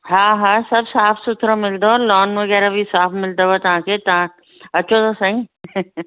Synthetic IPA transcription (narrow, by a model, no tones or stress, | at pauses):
ɦãːɦãːsɐbsaːfʰsʊt̪ʰɾõmɪld̪olɔːnʋɐɡɛːɾabʱisaːfʰmɪld̪aʋot̪ɐɦãːket̪ɐɦã | ɐtːʃʰot̪osɐɦĩ